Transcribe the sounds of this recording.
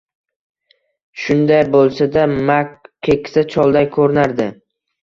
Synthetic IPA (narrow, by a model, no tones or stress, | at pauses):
ʃʊnd̪ajbolˠsad̪amaekʲsat͡ʃʰɒlˠd̪ajkʰɵɾɪnaɾd̪ɪ